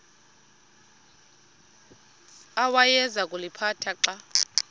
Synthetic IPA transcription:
awajɛzakʼulipʰatʰaǃa

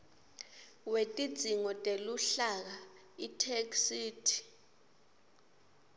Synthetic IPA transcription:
wetʼid̥z̥ʱiŋɔtʼeluɬak̬a | itʰeksiːtʰi̥

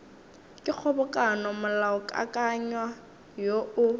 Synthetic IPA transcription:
kʼɪk͡xʰɔbɔkʼanɔmʊlaʊkʼa̰kʼaɲwa | joʊ

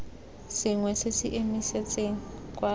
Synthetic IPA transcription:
sɪŋwɛsesɪʔemiset͡sʼeŋ̩kʼwa

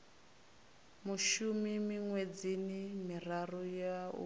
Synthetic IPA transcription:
muʃumimiŋwed͡zinimirarɔjaṵ

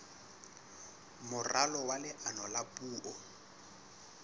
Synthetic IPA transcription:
mʊralɔwalɪʔanɔlapʼuːʔɔ

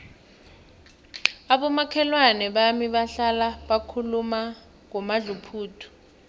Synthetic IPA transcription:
aɓɔmakʰɛlwanɛɓamiɓaɬalaɓakʰuluma | ŋɔmaɮupʰuːtʰu̥

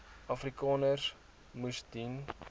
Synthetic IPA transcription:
ɐfrikɑːnərs | mustin

